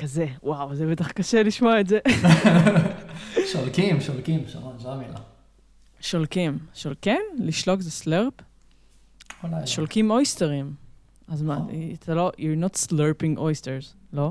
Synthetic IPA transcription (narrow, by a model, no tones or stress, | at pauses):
kɐzewʔawzɛbet̪aχkɐʃeliʃmoaetze | ʃolkimʃolkimʃa̰onʃamila̰ | ʃolkimʃolkimliʃlokzesleʁp | olaʃolkimojsteʁim | azmatlojuɹnot̪sleɾpĩŋɡʔojstezlo